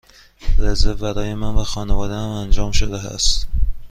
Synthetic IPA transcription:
ɾæzevbæɾɒːjemænvæxɒːnevɒːd̪eæmænd͡ʒɒːmʃod̪eæ̰st̪

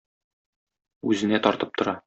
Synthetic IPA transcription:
ʉzɘ̆næt̪ɒɾt̪ɤp̚t̪ŏɾɑ

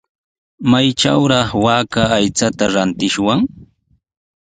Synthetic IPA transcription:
majʈ͡ʂa̰wɾɑχwaːkaːjt͡sat̪aɾant̪ɪʃwaŋ

